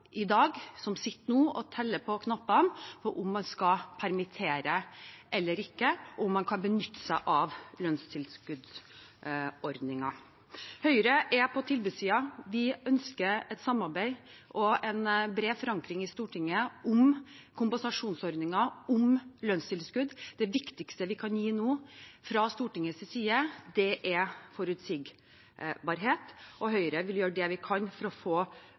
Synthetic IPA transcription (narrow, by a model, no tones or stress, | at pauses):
ɪd̪ɑːɡsɔmsɪt̪ːənuːʔɔt̪ʰɛlːəpʰɔkʰnɑpːɑnfɔʔʊmːɑnskɑpʰæɾmɪt̪ʰeːɾəʔɛlːəɾɪkːəɔʊmːɑnkʰɑnbənʏt̪ːə̥sæɪʔɑʋlœnst̪ʰɪlskʉd̪ | ɔɾd̪nɪŋɑ | hœʏɾəʔɛpʰɔt̪ʰɪlbʉsiːɑʋɪœnskəɾɛt̪sɑmːɑɾbæɪʔɔɛnbɾeːfɔɾɑŋkɾɪŋɪst̪uːʈʰɪŋːəʊmkʰʊmpɑsɑʂuːnsɔɾd̪nɪŋɑʊmløːnst̪ʰɪlskʉd̪d̪ɛʋɪkt̪ɪkst̪əʋɪkʰɑnjiːnoːfɾɑst̪uːʈɪŋːəssiːəd̪ɛʔɛfɔɾʉt̪sɪɡ | bɑɾɦeːt̪ɔɦœʏəɾəʋɪljøːɖɛʋɪkʰɑnfɔɾɔfoː